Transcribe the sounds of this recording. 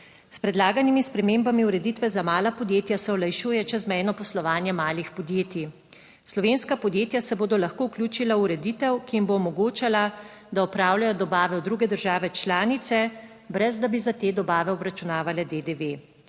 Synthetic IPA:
spɾɛd̪laːɡanimispɾɛmembamiuɾɛd̪iːt̪ʋɛzamaːlapɔd̪jeːt̪jasɛɔlajʃuːjɛt͡ʃɛzmɛjnɔpɔslɔʋaːnjɛmaːlixpɔd̪jeːt̪i | slɔʋenskapɔd̪jeːt̪jasɛboːd̪ɔlaxkouklʲuːt͡ʃilauɾɛd̪it̪ɛwkiimboːmɔɡoːt͡ʃala | d̪aɔpɾaːwlajɔd̪ɔbaːʋɛɔd̪ɾuːɡɛd̪əɾʒaːʋɛt͡ʃlaːnit̪sɛ | bɾɛzd̪abizat̪eːd̪ɔbaːʋɛɔbɾat͡ʃunaːʋalɛd̪ed̪eʋe

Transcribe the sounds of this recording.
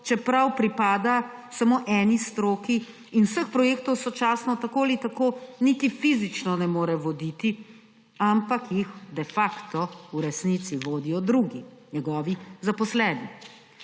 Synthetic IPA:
t͡ʃɛpɾawpɾipaːd̪asamoːʔɛːnist̪ɾoːkiː | nwsəxpɾɔjeːkt̪ɔwsɔt͡ʃaːsnɔt̪akoːlit̪akoːnit̪ifizit͡ʃnɔnɛmoːɾɛʋɔd̪it̪i | ampakjixd̪ɛfakt̪ɔuɾɛsnit̪siʋoːd̪ijɔd̪ɾuɡiɲɛɡɔːʋizapɔslɛːni

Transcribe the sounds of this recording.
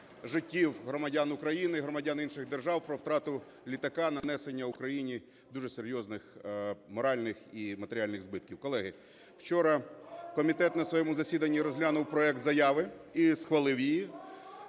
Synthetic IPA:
ʒɪtʲːiwɦɾɔmɐdʲanʊkɾɐjinɪiɦɾɔmɐdʲaninʃɪɣd̪erʒɑwpɾɔwt̪ɾɑt̪ʊ | lʲit̪ɐkɑnɐnɛsenʲːɐʊkɾɐjinʲi | d̪uʒɛseɾʲjɔznɪxmɔɾɑlʲnɪximɐt̪eɾʲɪɑlʲnɪɣzbɪt̪̚kʲiwkɔlˠɛɦɪ | wt͡ʃɔɾɐkɔmʲit̪ɛt̪nɐsʋɔjɛmʊzɐsʲid̪ɐnʲːiɾɔzʲɦlʲanʊwpɾɔɛkt̪zɐjɑʋɪisxʋɐlˠɪwjiji

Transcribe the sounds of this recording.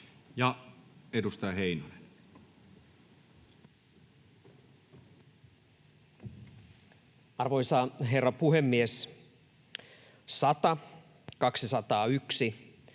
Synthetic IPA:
jɑedust̪ɑjɑheinojen | ɑrʋojsɑɦerːɑpuhemːies | sɑt̪ɑ | kɑksisɑt̪ɑːyksi

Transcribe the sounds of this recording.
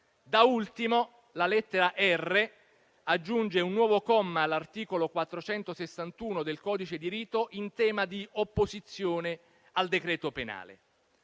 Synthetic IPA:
d̪ault̪imo | lalɛt̪ːeɾaʔɛrːe | ad͡ʒːund͡ʒeunːwɔːvokɔmːalart̪iːkolokwat̪ːɾot͡ʃɛnt̪osesːant̪uːnod̪elkɔːd̪it͡ʃed̪iɾiːt̪oʔint̪ɛːmad̪iopːozit̪sːjoːne | ald̪ekɾɛːt̪opena̰ːlḛ

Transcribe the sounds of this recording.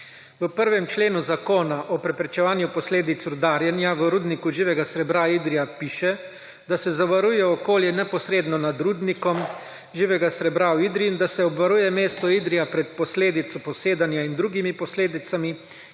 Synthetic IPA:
ʋəpəɾʋɛmt͡ʃleːnuzakoːnaʔɔpɾɛpɾɛt͡ʃɛʋaːnjupɔsleːd̪it̪sud̪aɾjɛnjaʋəɾuːd̪nikuʒiːʋɛɡasɾɛbɾaid̪ɾijapiːʃɛ | d̪asɛzaʋaɾujɛɔkoːljɛnɛpɔsɾeːd̪nɔnad̪ɾuːd̪nikɔm | ʒiːʋɛɡasɾɛbɾawid̪ɾiind̪asɛɔbʋaɾuːjɛmeːst̪ɔid̪ɾijapɾɛt̪̚pɔsleːd̪it̪sɔpɔseːd̪anjaind̪ɾuːɡimipɔsleːd̪it̪sami

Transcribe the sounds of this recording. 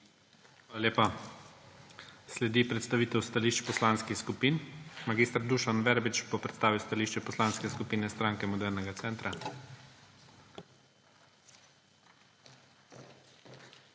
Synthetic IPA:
xʋaːlalʲeːpa | slɛd̪ipɾɛt̪st̪aʋiːt̪ɛwst̪aliʃt͡ʃpɔslanskixskupiːnmaɡist̪ɾd̪uʃanʋɛɾbit͡ʃpɔpɾɛt̪st̪aːʋiwst̪aliːʃt͡ʃɛpɔslanskɛskupiːnɛst̪ɾaŋkɛmɔd̪ɛɾnɛɡat̪sɛːnt̪ɾa

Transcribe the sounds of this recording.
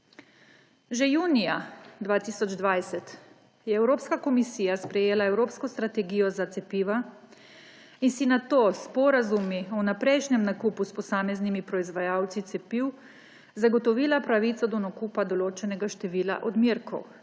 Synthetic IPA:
ʒɛjuːnijad̪ʋaːt̪iːsɔd͡ʒd̪ʋajsɛt̪ | jɛɛwɾoːpskakɔmisiːjaspɾɛjeːlaɛwɾoːpskɔst̪ɾat̪ɛɡijɔzat̪sɛpiːʋa | insinat̪oːspɔɾazumiɔnapɾɛjʃnɛmnakuːpuspɔsaːmɛznimipɾɔizʋajaːwt̪sit̪sɛpiːw | zaɡɔt̪ɔʋiːlapɾaʋit̪sɔd̪ɔnakuːpad̪ɔloːt͡ʃɛnɛɡaʃt̪ɛʋiːla̰ʔɔd̪miɾkʰɔ̰w

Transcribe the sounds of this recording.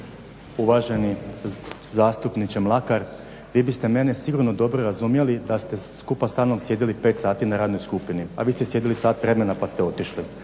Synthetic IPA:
uʋaːʒe̞ni | zaːst̪upnit͡ɕemlˠakaɾ | ʋiːbist̪e̞me̞ne̞siɡuɾno̞d̪o̞bɾoɾazumje̞lid̪ast̪e̞skupasaːnomsje̞d̪ilipe̞ːt̪saːt̪inaɾaːd̪no̞jskupinia̰ʋiːst̪esje̞d̪ilisaːt̪ʋɾe̞me̞napast̪eo̞t̪iʃli

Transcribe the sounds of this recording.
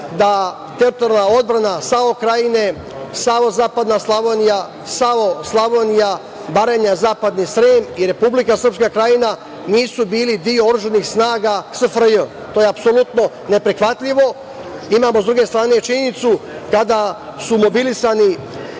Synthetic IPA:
d̪a | t̪eɾit̪oɾalnao̞d̪bɾanasao̞kɾajine̞ | saʋozaːpad̪naslˠaʋonija | saʋoslˠaʋonija | baɾeɲazaːpad̪nisɾeːmiɾe̞publikasr̩pskakɾajina | niːsubiːlid̪ijooɾuʒanixsnaːɡasafɾjom | t̪oːjeapso̞lˠut̪no̞ | ne̞pɾixʋat̪ʎʲiʋo̞ | imaːmozd̪ɾuɡe̞st̪ɾaːne̞t͡ʃiɲenit̪sukad̪asumo̞bilisani

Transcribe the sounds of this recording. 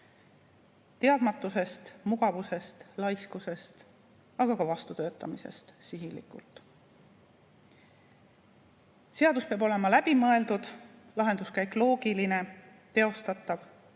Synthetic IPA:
t̪e̞ɑd̪mɑt̪ːˑuse̞st̪muɡ̥ɑvuse̞st̪lɑjskuse̞st̪ | ɑɡ̥ɑkɑvɑst̪ut̪ø̞ːt̪ːˑɑmise̞̰st̪siɦilḭkṵlt̪ˑ | se̞ɑd̪̥uspeɑbo̞le̞mɑlæb̥imɤe̞ld̪ud̪̥lɑɦe̞nd̪̥uskæekːlo̞ːɡ̥iline̞ | t̪e̞o̞st̪ɑt̪ːˑɑv

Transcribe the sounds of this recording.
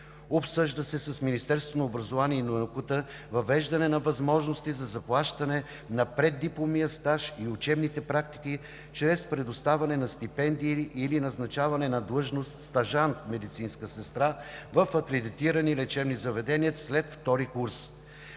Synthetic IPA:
opsɤʒd̪əsɛsɐsminist̪ɛɾst̪vonoʊbɾɐzovaniɛinookut̪ə | vɐvɛʒd̪ɐnɛnɐvɐzmɔʒnost̪izɐzɐplˠaʃt̪ɐnɛ | nɐpɾɛd̪ːiplˠomijəst̪aʃiʊt͡ʃɛbnit̪ɛpɾak̚t̪i̥k̟i | t͡ʃɾɛspɾɛd̪ʊst̪avɐnɛnɐst̪ipɛnd̪iːlinɐznɐt͡ʃavɐnɛnɐd̪lˠɤʒnost̪st̪ɐʒant̪mɛd̪it̪sinskəsɛst̪ɾavəfɐkɾɛd̪it̪iɾənilɛt͡ʃɛbnizɐvɛd̪ɛniəslɛt̪ft̪ɔɾikuɾs

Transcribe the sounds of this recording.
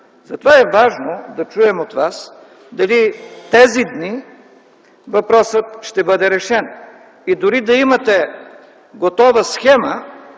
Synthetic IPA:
zɐt̪ovaɛvaʒnod̪ɐt͡ʃuɛmot̪vas | d̪ɐlit̪ɛzid̪ni | vɐpɾɔsət̪ʃt̪ɛbɤd̪ɛɾɛʃɛn | id̪ʊɾid̪ɐimɐt̪ɛ | ɡot̪ɔvəsxɛmə

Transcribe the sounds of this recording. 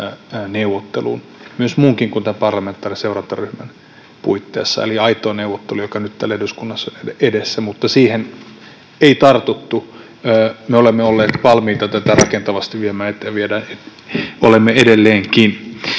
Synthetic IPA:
neuʋːot̪ːḛlṵːn | myøsmuːŋkiŋkunt̪æmpɑrlɑment̪ːˑɑːriseurɑnt̪ɑryhmæn | puit̪ːeːsːɑ̰ḛliɑit̪ˑoːneuʋːˑot̪ːelujokɑnyt̪t̪ælːæeeɾyskunːɑsːɑneeedesːæmut̪ːɑsiːhen | eit̪ɑrt̪ut̪ːu | øːmeolemːeolːeːt̪ʋɑlmiːt̪ɑt̪æt̪ærɑ̰kent̪ɑʋɑst̪iʋiømæːet̪ːæʋiedænet̪ | o̰lemːeedelːeːŋkin

